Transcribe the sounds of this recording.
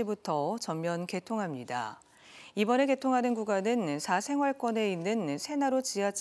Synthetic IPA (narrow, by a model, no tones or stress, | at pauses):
ibutʰʌt͡ɕʌmːjʌnke̞tʰoŋɦamɲida̰ | ibʌne̞ke̞tʰoŋɦanɯnkuɡanɯnsʰasʰe̞ŋɦwaɭk͈wʌne̞inːɯnsʰe̞naɾot͡ɕiɦat͡ɕʰ